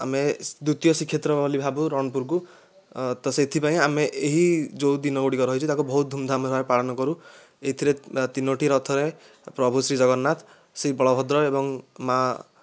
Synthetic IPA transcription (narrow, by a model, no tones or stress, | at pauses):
a̰med̪ut̪ijɔsikʰːjet̪ɾɔbʱɔlibʱabuɾɔɽ̃ɔpuɾk̬u | t̪ɔset̪ʰipaĩameʔeɦid͡ʒowd̪inɔɡoɽikɔɾɔɦijt͡ʃʰit̪akubɔɦut̪̚d̪ʱumd̪ʱamɾʱaepaɽɔnɔkɔɾu | eɦit̪ʰiɾet̪inoʈʰiɾɔt̪ʰɔɾe | pɾɔbʱusɾid͡ʒɔɡɔnːat̪ | sɾibɔɭɔbʱɔd̪ɾɔebɔŋma